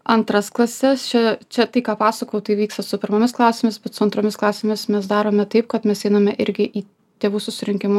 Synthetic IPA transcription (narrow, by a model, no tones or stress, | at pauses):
ɐnt̪ɾɐsklˠɐsʲɛst͡ʃʲɛt͡ʃʲɛt̪ɐɪkɑːpɑːsɐkoːjɛʊt̪ɐɪʋʲiːkst̪ɐsʊpʲɪɾmomʲɪsklˠɑːsʲeːmʲɪsbʲɛt̪sʊɐnt̪ɾoːmʲɪsklˠɑːsʲemʲɪsmʲɛsd̪ɑːɾoːmʲɛt̪ɐɪp̚kɐt̪mʲɛsɛɪnɐmʲɛʔɪɾʲɡʲɪʔiː | t̪ʲeːʋuːsʊsʲɪɾʲɪŋʲkʲɪmʊ